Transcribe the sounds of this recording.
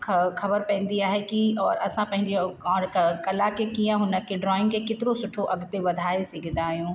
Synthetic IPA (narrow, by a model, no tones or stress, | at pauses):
xɐbəɾpɐ̃ːn̆d̪iaːɦekiɔːɾɐsãpɐ̃ɦɪ̃ɲd͡ʑeɔːɾkɐlakekijə̃ɦʊnəkʰeɖɾɔːɪ̃ŋɡkʰekɪt̪ɪɾosʊʈʰoʔɐɡt̪eʋɐd̪ʱaːesɪɡʱɪnd̪aːɦijũː